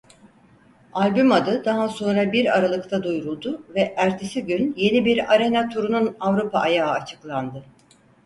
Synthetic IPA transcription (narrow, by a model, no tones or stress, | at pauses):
alʲbymad̪ɯd̪aɦaso̞nɾabiɾaɾalˠɯkt̪ʰad̪ujɾulˠd̪ʊvɛʔæɾt̪ʰesiɟynje̞nibiɾaɾe̞nat̪ʰuɾununavɾupʰaʔːjaːat͡ʃʰɯ̥klˠand̪ɯ